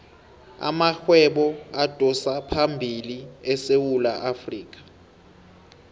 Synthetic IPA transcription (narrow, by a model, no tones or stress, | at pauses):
a̰maxwɛɓɔad̥ʱɔsapʰambʱiliɛsewulaʔafriːkʼḁ